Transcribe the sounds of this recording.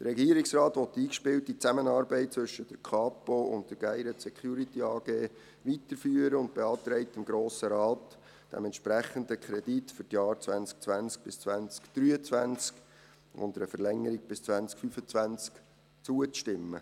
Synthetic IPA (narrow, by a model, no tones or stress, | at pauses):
d̥əɾɛɡiːɾɪksrɑːtʋɔt̪ːiːkʃpɪltit͡sæmənɑːɾbɛɪt̚t͡sʋɵʃəd̥əɾkʰɑːpoʊ̰ntd̥̪əɾɡ̥æɪɾətsɛkʰχjuːɾitiɑːɡ̥eː | ʋit̪əɾfyːəɾəʊntb̥eɑːt̪ɾɛɪt̪ɪmɡɾoːsəɾɑːt | d̥ɛ̰mɛntʃpɾæχənd̪əkχɾɛd̥itfʏɾtjɑːɾt͡sʋænt͡sk̚t͡sʋænt͡sk̚b̥ɪst͡sʋænt͡skd̥ɾyːət͡svænt͡sk | ʊ̰nd̪əɾəfəɾlɛŋːəɾɪɡ̚b̥ɪst͡sʋænt͡skfyfət͡sʋænt͡sk | t͡suət͡sʃtɪmːə̰